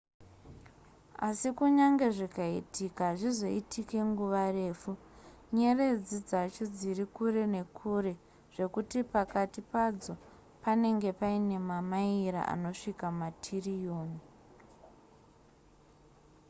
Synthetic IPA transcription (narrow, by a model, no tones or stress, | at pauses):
a̰sikuɲaŋɡe̞ʐikaitikaʐizo̞itʰike̞ŋɡuʋare̞ːfu | ɲe̞re̞d͡zid͡zat͡ʃod͡zirikure̞ne̞kʰuɾe̞ | ʐ̥e̞kutipakatipad͡zo̞ | pane̞ŋɡe̞paine̞mamaiɾa̰ʔa̰no̞ʂikamatʰirijoːni